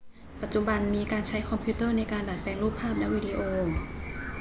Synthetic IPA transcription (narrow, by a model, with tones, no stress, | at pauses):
pa˧˩t͡ɕu˧ba˧nmiː˧kaː˧nt͡ɕʰa˦˥jkʰɔ˧mpʰiː˧˥˦t̪ɤː˥˩˨na˧jkaː˧ndaː˨˩t̪̚pɛː˧ŋluː˥˩pʰːaː˥˩p̬̚lɛ˦˥ʔwiː˧diː˧ʔoː˧